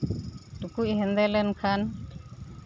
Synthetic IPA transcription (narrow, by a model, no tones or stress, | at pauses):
dukuiɦɛnd̪ɛlɛnkʰan